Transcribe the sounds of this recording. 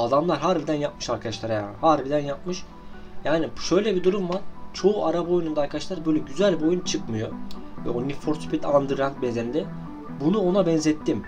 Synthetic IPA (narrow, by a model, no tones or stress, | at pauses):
ad̪amlˠaɾɦaɾbid̪ænjap̚mɯʃaɾkʰad̪aʃlˠaɾajaːnhaɾbid̪ænjap̚mɯʃ | jaːniʃøjlʲɛbid̪uɾumvaɾ̥t͡ʃʰo̞uʔaɾabaojunund̪aːɾkʰad̪aʃlˠaɾbø̞jlʲɛɟyzælʲbo̞junt͡ʃʰɯkmɯjo̞vɛ̰onifoɾspit̪ʰand̪ɯɾant̪̚bezend̪ɛ | bunuo̞nabɛnzɛt̪ʰːim